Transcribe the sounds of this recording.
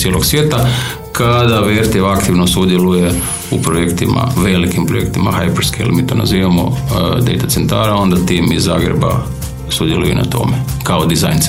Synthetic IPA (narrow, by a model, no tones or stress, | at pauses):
sjelo̞ɡsʋjeːt̪a | kad̪aʋeɾt̪eʋakt̪iʋnosud̪jeluje | upɾojekt̪imʔa̰ʋe̞likimpɾoje̞̰kt̪imaxajpeɾskejḛlmiːt̪oːna̰ziːʋamo̰d̪e̞̰jt̪atsent̪aːɾao̞nd̪at̪iːmizːa̰ːɡɾḛba̰ | sud̪jelujṵnʔa̰t̪o̞̰mekaod̪izajns